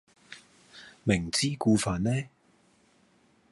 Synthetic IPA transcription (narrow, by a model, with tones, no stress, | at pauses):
mɪ˨˩ŋt͡siː˥kuː˧faː˨nnɛː˥